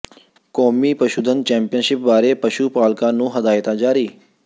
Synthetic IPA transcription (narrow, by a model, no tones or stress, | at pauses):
kɔːmiːpəʃuːd̪ʱən̚t͡ʃɛ̃ːmpijənʃɪp̚ʋaːɾepəʃuːpaːlkãːnũːɦɐd̪aːɪt̪ãd͡ʒaːɾiː